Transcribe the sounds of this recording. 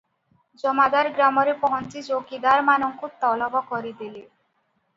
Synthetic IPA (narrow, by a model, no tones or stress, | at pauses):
d͡ʒɔmad̪aɾɡɾamɔɾepɔɦɔntid͡ʑokid̪aɾmanɔŋkut̪ɔlɔbɔkɔɾid̪ili